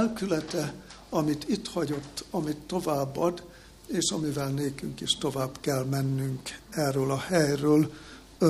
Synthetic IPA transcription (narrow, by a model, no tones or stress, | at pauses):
lkylɛt̪ɛ | ɒmit̪it̪hɒɟo̞t̪ːɒmit̪ːo̞vaːbːɒd̪ | eːʃɒmivɛlneːkyŋkiʃt̪o̞vaːbkɛlmɛnːyŋkɛːrːøːlɒhɛjrøːl